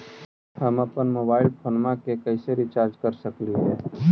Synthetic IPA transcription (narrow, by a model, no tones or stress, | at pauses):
həməpənmoːbaːɪlpʰoːnmãkekəɪseɾit͡ʃaːɾd͡ʒkəɾsəkliɦɛː